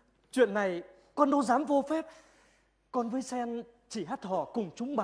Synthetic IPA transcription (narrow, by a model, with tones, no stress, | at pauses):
t͡ɕwḭ˧˨ənːa˨˩j | kɔ˧nɗo˨˧˦zaː˨˦mvo˧fɛ˦˥p̚ | kɔ˧nvəː˨˦jsɛ˧n | t͡ɕi˧˩ɦaː˦˥t̚t̪ʰɔ˧˩kʊ˨˩ŋ͡mt͡ɕʊ˨˦ŋ͡mɓa˨